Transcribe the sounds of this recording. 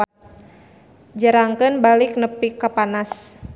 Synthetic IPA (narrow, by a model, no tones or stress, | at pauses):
d͡ʒəɾaŋkɨnbalɪk̚nəpikːapanas